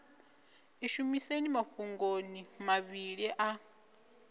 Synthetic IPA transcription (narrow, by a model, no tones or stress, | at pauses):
eʃumisenimaɸuŋɡonimaβiɺiʔa